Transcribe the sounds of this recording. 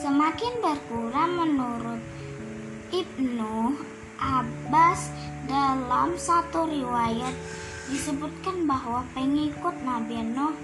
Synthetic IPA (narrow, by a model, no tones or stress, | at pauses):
səmakɪnbərkuɾamənuɾʊt̪̚ | ip̚nɔh | ʔabas | dalamsat̪uriwajat̪̚ | disəbut̪̚kanbaɦwapəŋikʊt̪̚nabinɔh